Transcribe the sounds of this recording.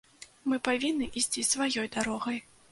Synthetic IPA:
mɨpavʲinːɨʔisʲt͡sʲisvajɔjd̪aɾɔɣɐj

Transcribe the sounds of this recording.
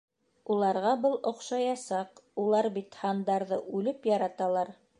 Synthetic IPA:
ulˠɑɾʁɑbɤlˠŏqʃɑjɑsɑqulˠɑɾbit̪hɑnd̪ɑɾðɤʔʉlɘpjɑɾɑt̪ɑlˠɑɾ

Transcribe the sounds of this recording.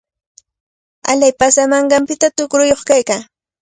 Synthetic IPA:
aʎajpasamɑɴɢɑmpɪt̪at̪ʊkɾʊjoχkajkaː

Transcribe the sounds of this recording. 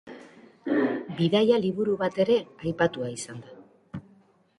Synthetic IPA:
biðajaliβuɾuβat̪e̞ɾe̞ajpat̪uaisand̪a

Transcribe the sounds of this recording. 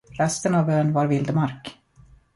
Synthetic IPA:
ɾɛst̪ənavbøːnvaɾvɪld̪əmaɾk

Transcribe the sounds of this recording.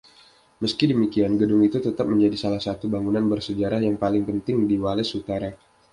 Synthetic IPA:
məskidəmikianɡədʊŋit̪ut̪ət̪ap̚məɲd͡ʒadisalahsat̪ubaŋunanbərsəd͡ʒaɾahjaŋpalɪŋpənt̪ɪŋdiwalɛsut̪aɾa

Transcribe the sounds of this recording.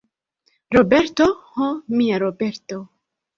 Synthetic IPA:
ɾobeɾt̪ohomiaɾobeɾt̪o

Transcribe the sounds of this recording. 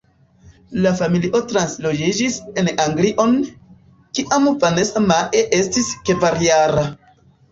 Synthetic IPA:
lafamiliʔo̞tɾanslo̞d͡ʒid͡ʒise̞naŋɡliʔo̞n | kiʔamvanesamaʔeʔe̞stiske̞vaɾjaɾa

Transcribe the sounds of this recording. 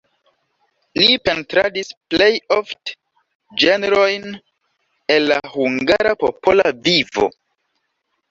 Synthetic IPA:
lipe̞ntɾadisplejoft | d͡ʒeneɾo̞jn | e̞lːahuŋɡaɾapopolavivo̞̰

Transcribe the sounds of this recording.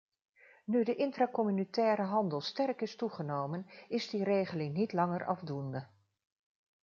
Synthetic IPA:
nydəʔɪntrakɔmynitɛːɾəɦɑndəlˠstɛrkɪstuχənowmənɪzdirejχəlɪŋnitlɑŋərʔɑvdundə

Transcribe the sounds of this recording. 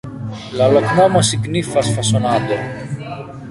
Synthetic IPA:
lɐloknomɐsiknifɐsfɐsonad̪o

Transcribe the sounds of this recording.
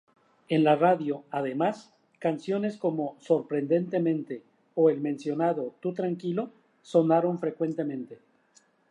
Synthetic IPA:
e̞nlaraðjo̞aðe̞mas | kansjo̞ne̞sko̞mo̞so̞ɾpɾe̞nd̪e̞nt̪e̞mẽnt̪e̞ | oe̞lmẽ̞nsjo̞naðo̞t̪ut̪ɾaŋkilo̞ | so̞naɾo̞ɱfɾe̞kwe̞nt̪e̞mẽ̞nt̪e̞

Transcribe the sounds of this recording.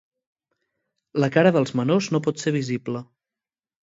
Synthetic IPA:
ləkaɾəðəlˠzmənoznopɔt̪seβ̞iziblə

